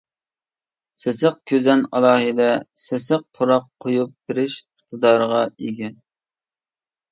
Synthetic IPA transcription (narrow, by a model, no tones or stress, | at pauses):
sɪsəq̚kʲʰøzɛnɑlˠɑːɦɨd̪ɛsesəq̚pʰoɾɑq̚ʰːojup̚beɾɪʃəχt̪ʰəd̪ɑːɾəʁɑiɡʲɛ